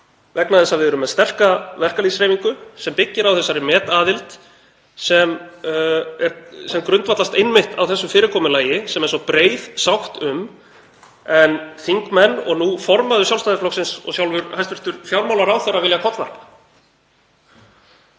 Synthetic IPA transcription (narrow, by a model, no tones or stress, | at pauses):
vɛknaðɛsːavɪðʏɾʏmːɛðst̪ɛr̥kavɛr̥kalisɾeːjmiŋkʏsɛmpɪcːɪɾawθɛsːaɾɪmɛːt̪aːðɪlt̪ | sɛm | ɛɾsɛmkɾʏnt̪vat̪last̪ejnmɪht̪awθɛsːʏfɪːɾɪkʰɔːmʏlaːjɪsɛmɛɾ̥sɔpɾeːjðsawxt̪ʏm | ɛnθiŋkmɛnːɔ̰ɣnufɔɾmaðʏsjawlst̪aðɪflɔksɪnsɔ̰ɣsjawlvʏɾhajst̪vɪ̥r̥t̪ʏɾ̥fjawɾmawlaɾawθɛrːavɪljakʰɔt̪va̰ɾpa